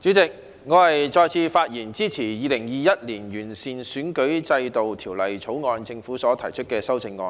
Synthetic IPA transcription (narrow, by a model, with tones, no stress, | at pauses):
t͡syː˨˥t͡sɪ˨k̚ | ŋɔː˨˧hɐ˨jt͡sɔː˧jt͡sʰiː˧faː˧t̚jiː˨˩nt͡siː˥t͡sʰiː˨˩jiː˨˧lɪ˨˩ŋjiː˨jɐ˥t̚li˨˩njyː˨˩nsiː˨nsyː˨˥nkɵ˨˥ɥt͡sɐ˧jt̪o˨wt̪ʰiː˨˩wlɐ˨jt͡sʰo˨˥wŋɔː˨˧nt͡sɪ˧ŋfuː˨˥sɔː˨˥t̪ʰɐ˨˩jt͡ʃʰɵ˥t̚kɛː˧sɐ˥wt͡sɪ˧ŋːɔː˧n